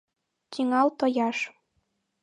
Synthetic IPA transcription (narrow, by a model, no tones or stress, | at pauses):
t̪ʲiŋɑwt̪ŏjɑʃ